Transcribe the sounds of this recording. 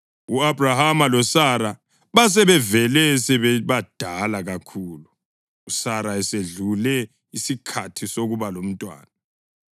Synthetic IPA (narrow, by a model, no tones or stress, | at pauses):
uabrahamalɔsaɾa | βas̬ɛβɛvɛlɛsɛβɛβad̥ʱalaɣakʰuːluː | saɾaɛseɮulɛ | isikʰatʰisoɣuβalom̩tʼwa̰ːna